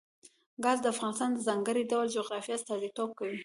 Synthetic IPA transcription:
ɡɑzd̪əafɣɑnɪst̪ɑnd̪əzɑŋɡəɾiɖawald͡ʒoɣɾɑfijɑst̪ɑd̪it̪ob̚kawi

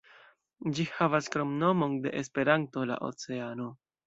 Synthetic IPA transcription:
d͡ʒihavaskɾo̞mno̞mo̞nde̞̰ʔespe̞ɾanto̞la̰ʔo̞̰t͡se̞ano̞

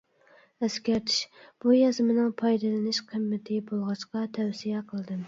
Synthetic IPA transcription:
ɛskʲæɾt̪ʰɪ̥ʃb̥ujɑzmɪnɨŋpʰɑjd̪ɨlˠɨnɪʃqʰəmːɪt̪ʰɪbolˠʁɑʃqɑt̪ʰɛwsijɛqʰəlˠɨd̪ɨm

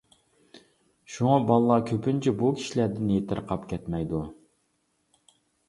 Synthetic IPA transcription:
ʃuŋɑbɑlˠlˠɑkʲʰøpynt͡ʃʰɛbukʲʰi̥ʃilæɾd̪ɪnjet̪ʰɪɾqʰɑpkʲʰɛt̪mɛjd̪u

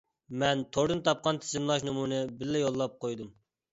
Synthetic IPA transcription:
mɛnt̪ʰoɾd̪ɨnt̪ʰɑp̚qɑnt̪ʰɪ̥zɪmlˠɑʃ̬nɨmunɨbɪlːɛjolˠːɑp̚qʰojd̪um

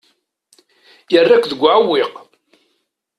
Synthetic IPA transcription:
jərːakʷðəɡʷːʕwːɪq

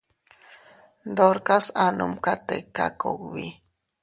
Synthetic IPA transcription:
d̪oɾkasanumkat̪ekːa̰koɡwi

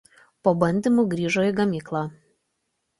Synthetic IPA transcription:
poːbɐnʲd̪ʲiˑmuːˑɡɾʲiːʒoːjɪɡɐmʲiːklˠɑː

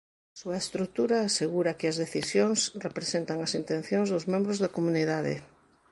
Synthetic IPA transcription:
asuɐest̪ɾut̪uɾaːseɣuɾakɪɐzðeθisjoŋsrepɾesent̪aŋɐsint̪ẽn̟θjonzðʊzmẽmbɾʊzðɐkomuniðaðḛ

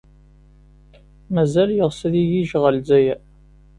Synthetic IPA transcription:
mæzæljəʁsæðijiʒʁəlzæjæ

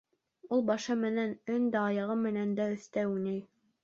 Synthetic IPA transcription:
ulˠbɑʃɤmɘ̆nænɵnd̪æːjɑʁɤmɘ̆nænd̪æɵ̆θt̪æwunɘj

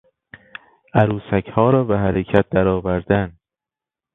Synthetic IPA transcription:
ʔæɾuːsækʰhɒːɾɒːbeɦæɾecʰæt̪̚d̪æɾɒːvæɾd̪æn

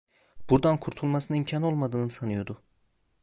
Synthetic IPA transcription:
b̥uɾd̪ankʰuɾt̪ʰulˠmasɯnɯimcʰano̞lˠmad̪ɯːnɯsanɯjo̞d̪u

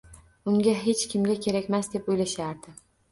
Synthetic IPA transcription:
ʊŋɡʲaɦe̞t͡ʃkʲʰɪmɡʲakʲʰe̞ɾakʲmasd̪e̞pojlaʃaɾd̪ɪ

